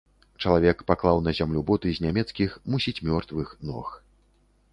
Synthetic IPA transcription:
t͡ʂɐlˠavʲɛkpaklˠawnɐzʲamlʲubɔt̪ɨzʲnʲamʲɛt̪skʲixmusʲit͡sʲmʲɔrt̪vɨxnɔ̰x

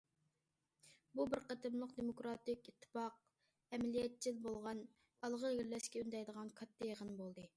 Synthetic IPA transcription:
bubɪɾqət̪ʰɨmlˠəqd̪emokɾɑt̪ɪkʲit̪ʰːɨ̥pɑq̚ | ɛmɛlijɛt̪̚t͡ʃʰilbolˠʁɑn | ɑlˠʁəɡʲiɾlɛʃkʲɛynd̪ɛjd̪əʁɑnkʰɑt̪ʰːɑjeʁənbolˠd̪ɨ

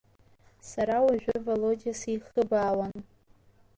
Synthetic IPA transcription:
saɾawaʒʷᶣʏvolod͡ʒʲiasiχəbaːwan

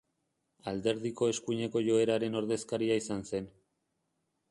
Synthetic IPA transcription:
ald̪e̞ɾðiko̞e̞skuɲe̞ko̞ʝo̞e̞ɾaɾe̞no̞ɾðe̞skaɾiaisanse̞n

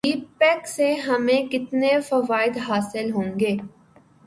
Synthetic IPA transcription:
iːpɛːkseɦɐmẽkɪt̪nefɐʋaːɪd̪ɦaːsɪlɦõːŋɡeː

